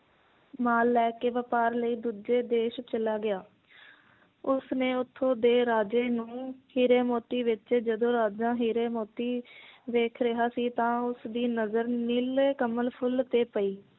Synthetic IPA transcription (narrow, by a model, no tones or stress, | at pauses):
maːlːɛːkeːʋəpaːɾləiːd̪uːd͡ʒeːd̪eːʃt͡ʃəlaːɡɪaː | ʊsnẽːʊt̪ʰːõːd̪eːɾaːd͡ʒeːnũːhiːɾeːmoːt̪iːʋɪt͡ʃd͡ʒəd̪õːɾaːd͡ʒãːɦiːɾeːmoːt̪iːʋeːkʰɾɪɦaːsiːt̪ãːʊsd̪iːnəzəɾnileːkəməlpʰʊlt̪eːpəiː